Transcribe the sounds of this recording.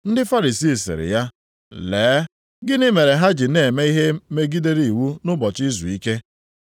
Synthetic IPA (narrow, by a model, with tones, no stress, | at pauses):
n̩˦dɪ˦fa˦ɾi˨si˦˨sɪ̰˨ɾɪ̰˨ja˦ | leː˨˦ | ɡɪ˦nɪ˦me˨ɾe˨ɦa˦d͡ʒi˨ne˨me˦i˦ɦe˦me˦ɡi˦de˦ɾi˨i˨wu˦nʊ˦bɔ˨t͡ʃi˦zṵ˨i˦ke˦